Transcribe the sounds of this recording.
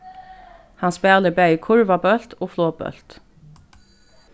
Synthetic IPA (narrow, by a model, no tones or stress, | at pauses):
hɑnsbæːləbæʏkʰʊɹʋɑbœlt̪ʰoːfloːbœ̰lt̪